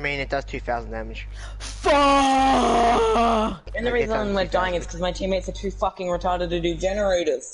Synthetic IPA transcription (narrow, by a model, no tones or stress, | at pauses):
mĩnɨt̚d̥ʌz̥tʰʉθaʊzn̩dæmɨ̥d͡ʒ̥ | fɔ | ɨ̃nðəɹizə̃nwədaɪɪ̃ŋɨtskʰʌzmaɪtʰĩmeɪtsətʰʉfʌkɪ̃ŋɹɨtʰɑɹɾəd̚tɨdɨd͡ʒɛnə˞eɪɾəz̥